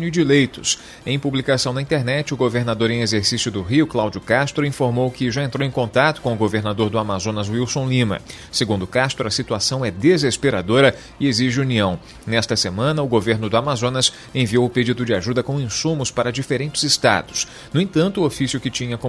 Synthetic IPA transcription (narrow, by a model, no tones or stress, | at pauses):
nʊɪd͡ʒilejt̪ʊs | ẽj̃publikasɐ̃w̃nɐĩnt̪eɾnɛt͡ʃɪʊɡoveɾnad̪oɾẽj̃ezeɾsisjʊd̪ʊɦiʊklawd͡ʒʊkast̪ɾʊĩfoɾmowkɪʒaẽnt̪ɾowẽj̃kõnt̪at̪ʊ̥kõʊɡoveɾnad̪oɾd̪ʊamazõnɐzwiwsõw̃lĩmɐ̰ | seɡũnd̪ʊkast̪ɾʊɐsit̪uasɐ̃w̃ɛd̪ezespeɾad̪oɾɐ | ɪeziʒɪuniɐ̃w̃ | nɛst̪ɐsemɐ̃nɐʊɡoveɾnʊd̪ʊamazõnɐs | ẽviowʊped͡ʒid̪ʊd͡ʒɪaʒud̪ɐkõw̃ĩsũmʊspaɾɐd͡ʒifeɾẽnt͡ʃɪzɪst̪a̰d̪ʊs | nʊ̃ẽt̪ɐ̃nt̪ʊːofisjʊkɪt͡ʃĩɲɐkõ